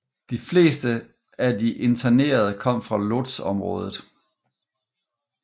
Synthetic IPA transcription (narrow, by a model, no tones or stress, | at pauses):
d̥ifle̝̰ːsd̥ə | ædiʔe̝nt͡sʰæne̝̰ːɐð̞̩ˠəkʰɒ̽m̰fʁɑ̈lo̝d̥sɒ̽mʁɔ̰̽ːð̞ˠð̩ˠ